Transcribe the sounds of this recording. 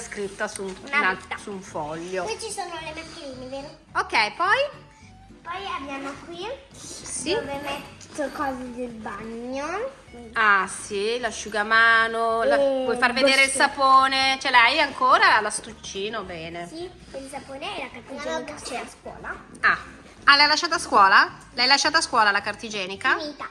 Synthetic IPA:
skɾit̪ːasunnaasuɱfɔʎːowit͡ʃisoːnolemakːeɾiːneven | okːɛjpɔj | pɔjabjaːmokwi | siovemɛt̪ːokɔːzed̪elbaɲːo | asilaʃːuɡamaːnolawɔjfarved̪eːɾeilsapoːnet͡ʃɛlɛjaŋkoːɾalast̪ut͡ʃːiːnobɛːne | ilsapoːneɛlakart̪id͡ʒikat͡ʃɛskwɔ̰ːla | a | alɛjalaʃːaːt̪askwɔːlalɛjlaʃːaːt̪askwɔːlalakart̪id͡ʒɛːnikamit̪a

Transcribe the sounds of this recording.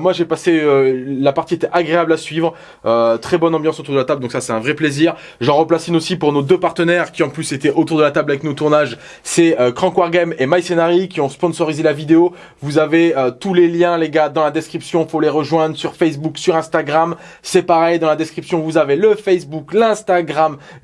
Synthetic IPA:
mwaʒepaseølapaʁt̪iet̪ɛʔaɡʁeablasɥivʁ | øt̪χɛbɔnɑ̃bjɑ̃sot̪uʁd̪əlat̪abld̪ɔ̃ksasɛt̪ɛ̃vʁɛpleziʁ | ʒɑ̃ʁəplasynosipuʁnod̪øpaʁt̪ənɛʁkʲiɑ̃plyset̪ɛʔot̪uʁd̪əlat̪ablavɛknot̪uʁnaʒ | sɛøkχɑ̃kwaʁɡɛmemajsenaʁikʲiɔ̃spɔ̃nsɔʁizelavid̪eo | vuzaveøt̪uleljɛ̃leɡad̪ɑ̃lad̪ɛskχipsjɔ̃foleʁəʒwɛ̃d̪ʁəsyʁfɛs̬buksyʁɛ̃st̪aɡʁam | sɛpaʁɛjd̪ɑ̃lad̪ɛskχipsjɔ̃vuzaveləfɛsbuklɛ̃st̪aɡʁam

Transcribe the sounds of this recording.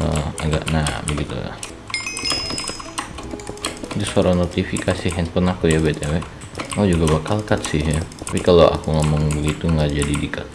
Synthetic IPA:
əa̰ɡaʔnabəɡit̪ṵla̰ | t̪ʊsoɾanot̪ifikasiɦɛnpɔnakujabait̪awɛʔ | ad͡ʒuɡabakalkat̪sɪhjat̪apikaloʔa̰kuŋamʊŋbəɡit̪uŋad͡ʒadidikat̪̚

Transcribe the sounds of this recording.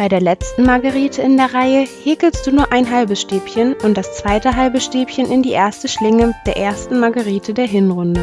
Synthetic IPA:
b̥aɪdeːɐlɛt͡stn̩maɡaʁiːtʰəɪndeːɐʁaɪəheːkl̩st̚d̥uːnuːɐʔaɪnɦalbəsʃteːpçənʊntd̥ast͡sv̥aɪtəɦalbəʃteːpçənʔɪndiːʔeːɐstəʃlɪŋəd̥eːɐʔeːɐstn̩maɡaʁiːtʰədeːɐɦɪnʁʊndə

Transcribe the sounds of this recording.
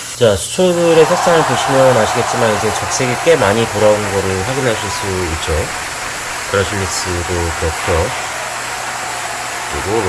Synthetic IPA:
t͡ɕasʰu̥t͡ɕʰodɯɾe̞sʰak̚s͈aŋɯɭpoɕʰimjʌnaɕʰiɡe̞t̚t͡ɕ͈imanid͡ʑe̞t͡ɕʌk̚s͈ʰe̞ɡik͈e̞maɲitoɾaonɡʌɾɯɭɸwaɡinɦaɕʰiɭs͈uit̚t͡ɕ͈o | kɯɾʌɕʰimːik̚s͈ɯdopʌkʰjʌ | kɯɾḭɡo

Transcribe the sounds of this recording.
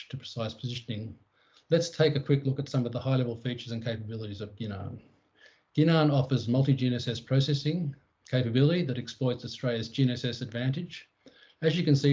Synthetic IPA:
tʰɨpʰɹ̥ɨ̥saɪspʰəzɪʃɨnɪ̃ŋ | lɨtstʰeɪkɨkʰw̥ɪklʊkɨtsʌ̃mʌvðəhaɪlɛvl̩ˠfit͡ʃə˞zɨ̃n̩kʰeɪpəbɪlˠəɾizʌvɡɪnɑ̰̃n | ɡ̥ɪñɑnɔfə˞zmʌlˠtid͡ʒinɨsɛspʰɹ̥oʊsɛsɪ̃ŋ | kʰeɪpɨbɪlˠəɾiðɨɾɨksplɔɪtsɨstɹ̥eɪlˠɨz̥d͡ʒ̥iñɨsɛsɨdvæ̃ntɨd͡ʒ | ɨzjɨkɨ̃nsi

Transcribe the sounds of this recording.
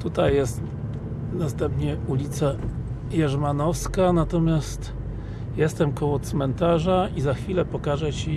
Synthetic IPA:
t̪ut̪ajːɛst̪ | nast̪ɛmpɲɛulʲit̪sa | jɛʐmanɔfskanat̪ɔmʲjast̪ | jɛst̪ɛmkɔwɔt̪smɛnt̪aʐaizaxfʲilɛpɔkaʐɛt͡ɕi

